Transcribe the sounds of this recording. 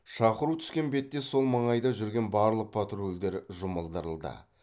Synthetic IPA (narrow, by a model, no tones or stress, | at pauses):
ʃɑqəɾut̪ʰʏ̥skʲe̞nbe̞t̪ːe̞so̞lˠmɑɴɑjd̪ɑʒʏɾɡʲe̞nbɑɾlˠəq̚pʰat̪ɾold̪e̞ɾʒʊməlˠd̪əɾəlˠd̪ə̰